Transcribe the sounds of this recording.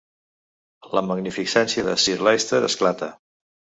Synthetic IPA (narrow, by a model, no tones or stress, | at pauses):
ləməɡnifisɛnsiəðəsiɾlajst̪əɾə̰sklat̪ə